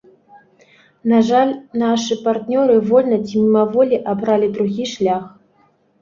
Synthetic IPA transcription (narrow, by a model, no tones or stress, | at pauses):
naʐalʲnaʂɨpart̪nʲɔɾɨvɔlʲnɐt͡sʲimʲimavɔlʲiʔabɾalʲid̪ɾuɣʲiʂlʲax